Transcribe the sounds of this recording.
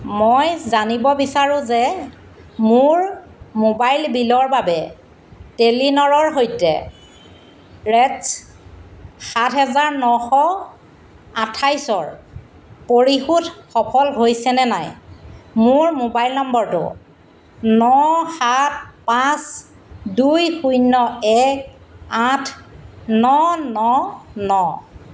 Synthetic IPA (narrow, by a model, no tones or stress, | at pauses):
mojzanibɔbisaɹʊ̃zɛ | mʊɹ | mobajlbilɔɹbabɛ | telinɔɹɔɹɦojtɛ̰ | ɹɛs | xatɦɛzaɹnɔxɔ | atʰajsɔɹ | poɹixutxɔpʰɔlɦojsɛnɛnajmʊɹmobajlnɔmbɔɹtʊ̰ | nɔxat̚ʰpãs | dujxujnɔɛk̚atʰnɔnɔnɔ